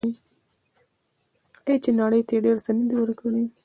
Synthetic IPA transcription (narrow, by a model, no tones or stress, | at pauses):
et͡ʃenɑɽəjt̪eɖeɾsənəd̪iwəɾkaɽij